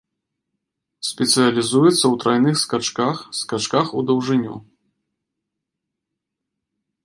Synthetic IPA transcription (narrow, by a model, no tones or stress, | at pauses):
sʲpʲɛt̪sɨjɐlʲizujɛt̪sːɐwt̪ɾajnɨxskat͡ʂkaxskat͡ʂkaxud̪ɐwʐɨnʲṵ